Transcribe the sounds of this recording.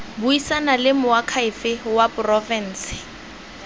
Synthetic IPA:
buisanalɪmʊwakʰaɪfɪwapʊrɔfɛn̩ːsɪ̥

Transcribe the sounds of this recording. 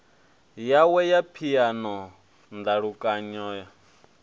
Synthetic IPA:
jawɛjapʰijanɔ | nd̪aɺukʼaɲɔːja

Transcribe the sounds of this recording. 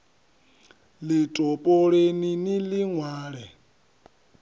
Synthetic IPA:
litʼɔpʼɔɺeniniliŋwaːɺɛ

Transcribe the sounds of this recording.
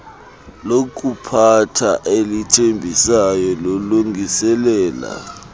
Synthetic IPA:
lok̬ʼupʰatʰaʔelitʰembʱisajɔloluŋʱisɛlɛːla̰

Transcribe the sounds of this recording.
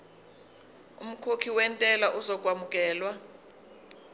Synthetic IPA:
ṵm̩kʰokʰiwɛntʼɛlaʔuzɔk̬ʼwamukʼɛːlwa

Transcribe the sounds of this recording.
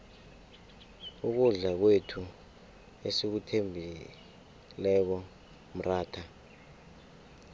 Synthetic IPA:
uk̬uɮak̬wetʰu | esik̬utʰembʱi | lɛk̬ɔ | m̩raːtʰa

